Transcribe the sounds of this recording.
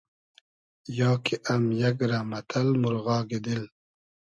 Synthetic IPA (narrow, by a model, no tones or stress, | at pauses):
jɑːkeʔɐmjɐɡɾamɐt̪ʰalmuɾɣɑːɡed̪il